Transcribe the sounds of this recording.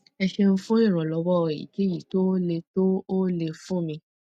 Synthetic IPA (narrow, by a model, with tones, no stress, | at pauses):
ɛ˧ʃe˧n̩˦fũ˦ĩ˦˨ɾ̃ɔ̃˨lɔ˨˧˦wɔ˦˨ḭ˨ke˨˦ji˨to˦le˧to˦o˦le˧fũ˦mĩ˧